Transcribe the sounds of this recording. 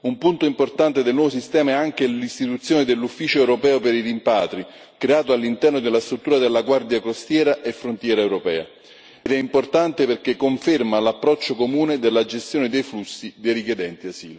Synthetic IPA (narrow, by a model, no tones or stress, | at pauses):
umpunt̪oimport̪ant̪ed̪elnwɔvos̬ist̪ɛːmaɛaŋk̟elist̪it̪ut̪sjoːned̪elːufːiːt͡ʃoɛwɾopɛːopeɾirimpaːt̪ɾi | kɾeaːt̪oalːint̪ɛrnod̪elːast̪ɾut̪ːuːɾad̪elːaɡward̪jakɾost̪jɛːɾaʔefːɾont̪jɛːɾaewɾopɛ̰ːa̰ | d̪ɛimport̪ant̪eperkekːoɱfermalapːɾɔt͡ʃːokomuːned̪elːad͡ʒest̪joːned̪ejflusːid̪ejrikjed̪ɛnt̪iasḭːlo